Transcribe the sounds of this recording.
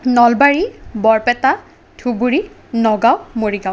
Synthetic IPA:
nɔlbaɹibɔɹpɛta | tʰubuɹi | nɔɡawmoɹiɡaw

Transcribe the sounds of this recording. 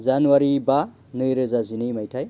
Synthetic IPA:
zanuaɾiba | nɯɾɯzazinimajtʰaj

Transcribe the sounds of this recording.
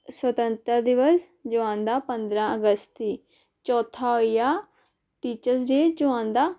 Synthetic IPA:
swət̪ənt̪ɾad̪ɪʋəs | d͡ʒoãːnd̪aːpənd̪ɾãːəɡəst̪iː | t͡ʃɔːt̪ʰaːoijaː | ʈiːt͡ʃəɾsd͡ʒeːd͡ʒoãːnd̪aː

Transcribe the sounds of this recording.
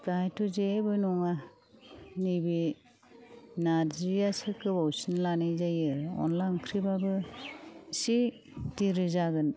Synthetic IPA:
bajtuzebɯnɔŋa | nibi | naɾzɾjasɯkɯbawsinlanɯzajɯɔ̰nlankʰɾibabɯ | si | tiɾɯzaɡɯn

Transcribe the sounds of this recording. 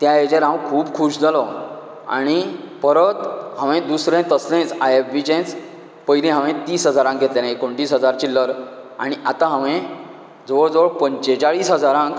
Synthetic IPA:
t̪jaed͡ʑeɾɦãwkʰuːbkʰuːɕd͡zalɔ | a̰ɽ̃ipəɾət̪ɦãʋẽd̪usɾẽt̪əslẽt͡sajefbit͡ɕẽt͡s | pəjlĩɦãʋẽt̪iːsɦəd͡zaɾãŋk̚ɡʱet̪lenaekoɳʈiːsɦəd͡zaɾt͡ɕilːəɾa̰ɽ̃iʔat̪ãɦãʋẽ | d͡zɔʋəɭd͡zʋəɭpəɲt͡ɕet͡saɭiːsɦəd͡zaɾãŋk

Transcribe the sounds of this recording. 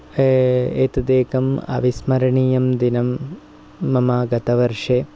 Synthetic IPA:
eːt̪d̪eːkɐmɐ̰ʋismɐɾɐɳijɐmd̪inɐmː | ɐmaːɡɐt̪ɐʋɐɾʂeː

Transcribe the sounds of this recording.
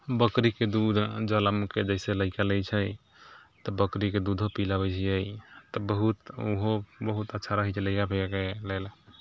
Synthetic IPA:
bəkɾiked̪ud̪ʱd͡ʒələmked͡ʒəɪseləɪkaləjt͡ʃʰəj | t̪ɔbəkɾiked̪ud̪ʱɦopilabət͡ʃʰijəjt̪ɔbəɦut̪uɦobəɦut̪ətːʃʰaɾəɦɛt͡ʃʰeləjkabʱeakelel

